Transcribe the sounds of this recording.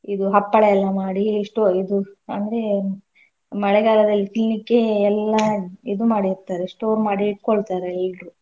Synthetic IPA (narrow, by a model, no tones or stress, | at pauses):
id̪uɦɐpːɐɭɛɛlːɐmaːɽiːʂʈoid̪uɐ̰nd̪ɾe | mɐɭɛɡaːlɐd̪ɐlːiklinikːeɛlːaid̪umaːɽiɾt̪aːɾeʂʈoːɾmaːɽiiʈ̚koɭt̪aːɾeɛlɾu